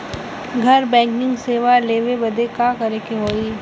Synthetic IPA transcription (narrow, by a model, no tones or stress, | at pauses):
ɡʱɐɾbɛ̃ːŋkɪ̃ŋɡseːʋaleːʋebɐd̪ekakɐɾekeɦoːiː